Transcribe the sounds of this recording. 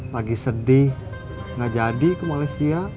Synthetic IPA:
paɡisədɪh | ŋad͡ʒadikumalajsia

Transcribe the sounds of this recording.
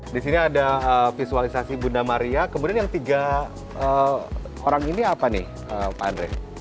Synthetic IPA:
disiniadaəfisualisasibunamaɾiakəmudianjaŋt̪iɡa | ə | oɾaŋiniapanɪ̰h | əːpandɾɛ̰

